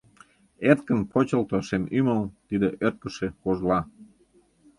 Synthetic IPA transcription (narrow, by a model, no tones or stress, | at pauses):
ert̪̚kə̆npʰot͡ɕə̆lt̪oʃemyməlt̪id̪eʔørt̪̚kə̆ʃekoʒlɑ